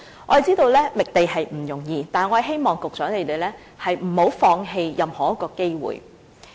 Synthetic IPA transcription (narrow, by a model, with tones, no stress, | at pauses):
ʔɔ̰ː˨˧˥t͡siː˥t̪o˧wlɛː˥mɪ˨k̚t̪e˨jɦɐ˨jm̩˨˩jʊ˨˩ŋjiː˧t̪aː˨˩nŋɔː˨˧˨ɦe˥jmɔː˨˩ŋkʊ˨k̚t͡sœː˨˥ŋt̪e˨˩t̪e˨˩jlɛː˥ | hɐ˨jm̩˨˩ho˨˥wfɔː˧ŋɦe˧jjɐ˨˩mhɔː˨˥jkːɔː˧ke˥jwṵː˨˩j